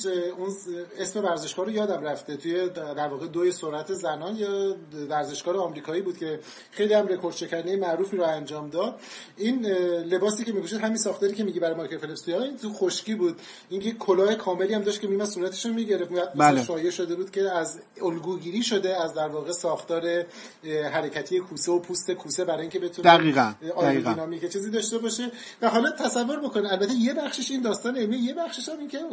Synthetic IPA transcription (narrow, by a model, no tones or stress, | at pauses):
une̞sme̞væɾze̞ʃkɒːɾojɒːd̪æmræft̪e̞t̪ʰuje̞d̪æɾvɒːɣed̪oesoɾæt̪ʰe̞zænɒːnjɛvæɾze̞ʃɡ̥ɒːɾeɒmɾiːkʰɒːiːbuːd̪kcʰe̞ | xe̞jlihæmɾe̞kʰoɾd̪̥ʃʰe̞cʰæɾd̪ejemæʔɾuːfiːɾɔænd͡ʒɒːmd̪ɒːd̪̥̚ | inle̞bɒːsiːkcʰe̞miːkʰoʃid̪ɦæminsɒːxt̪eɾiːcʰemiɟibæɾɒjmɒkʰefʰelepsijɒint̪uxoʃciːbuːd̪ | iːnjekʰːolɒːhekʰɒːme̞liːæmd̪ɒʃt̪kʰʲe̞miimænsuːɾæt̪ʰe̥ʃomiːɟe̞ɾeft̪mjæd̪̚mesʃɒːjeʃo̞d̪e̞buːd̪̥cʲʰe̞æz | olɡuːɡiːɾiːʃo̞d̪eæzd̪æɾvɒːɣe̞sɒːxt̪ɒːɾe̞ | ɦæɾecʰæt̪ʰiːjekʰuːseopʰuːst̪e̞kʰuːse̞bæɾɒːjiŋcʰebe̞t̪ʰundæʁiːɣænʔɒːinɒːmiket͡ʃʰiːziːd̪ɒːʃt̪e̞bɒʃe | væɦɒːled̪̚t̪ʰːæsævːo̞ɾbo̞koniælbæt̪ʰːeje̞bæxʃiʃiːnd̪ɒːst̪ɒːneemije̞bæxʃiʃæmincʲʰe